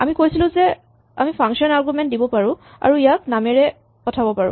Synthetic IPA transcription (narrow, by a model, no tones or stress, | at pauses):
amikojsilʊ̃zɛ | a̰mipʰãŋkʃɔnaɹɡumɛnt̚dibɔpaɹʊ̃ | a̰ɹuijak̚namɛɹɛ | pɔtʰabɔpaɹʊ̰̃